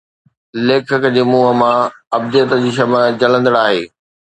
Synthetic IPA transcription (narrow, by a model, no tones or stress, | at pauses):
leːkʰəkəd͡ʑeːmuːɦəmãɐb̚d̪ɪjət̪əd͡ʑiːʃ̬ɐməd͡ʑɐlə̃nd̪əɽaːɦeː